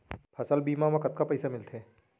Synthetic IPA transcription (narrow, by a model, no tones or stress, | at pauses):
pʰɐsəlbiːmamãkɐt̪̚kapɐjsamɪlt̪ʰeː